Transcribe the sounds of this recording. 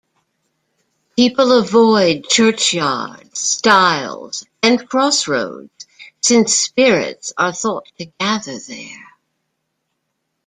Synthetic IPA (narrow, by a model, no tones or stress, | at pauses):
pʰipl̩ˠəvɔɪd̚t͡ʃʰɜ˞t͡ʃjɑ̰ɹdz̥staɪlˠz̥ | ɨ̃nkʰɹ̥ɔsɹo̰ʊdz̥sɪ̃nspɪɹɪ̰tsə˞θɔtʰɨɡæðə˞ðə̰˞